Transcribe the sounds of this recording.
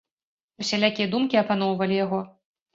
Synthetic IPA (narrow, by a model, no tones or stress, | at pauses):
usʲɛlʲakʲijɐd̪umkʲiɐpan̪ɔwvɐlʲijaɣɔ